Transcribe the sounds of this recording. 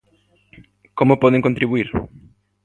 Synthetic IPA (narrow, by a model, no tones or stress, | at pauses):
komʊpɔðeŋkõnt̪ɾiβuiɾ